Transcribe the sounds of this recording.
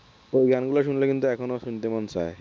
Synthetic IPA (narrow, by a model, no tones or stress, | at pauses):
oɡʱjanɡulaɕunləkint̪uɛkʰonosuɳt̪emɔnsa̰e